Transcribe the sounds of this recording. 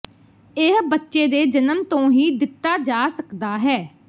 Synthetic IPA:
ɪɦbətːʃeːd̪eːd͡ʒənəmt̪õːɦiːd̪ɪt̪ːaːd͡ʒaːsəkd̪aːɦɛː

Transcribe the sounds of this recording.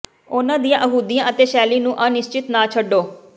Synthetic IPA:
ʊnãːd̪ijãːʔəɦuːd̪ijãːʔət̪eːʃɛːliːnũːʔaːnɪst͡ʃɪt̪naːt͡ʃʰəɖːoː

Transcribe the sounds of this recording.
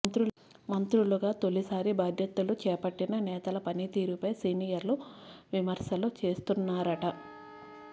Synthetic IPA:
nt̪ɾu | mɐnt̪ɾuluɡaːt̪o̞lisaːɾibaːd̪ʱjɐt̪ulut͡ʃɛːpɐʈːinɐnɛːt̪ɐlɐpɐnit̪iːɾupɐjsiːnijɐɾluʋimɐɾsɐlut͡ʃe̞ːst̪unːaːɾɐʈɐ

